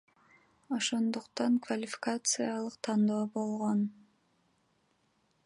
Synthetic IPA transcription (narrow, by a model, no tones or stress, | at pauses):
o̞ʃo̞nd̪uqt̪ɑŋkvalʲɪfʲɪ̥kat̪sɨjɑlˠɯqt̪ʰɑnd̪o̞ːbo̞lˠʁo̞n